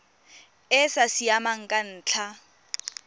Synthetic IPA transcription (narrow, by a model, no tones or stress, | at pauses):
ɪsasiamaŋ̩kʼan̩ːt͡ɬʰa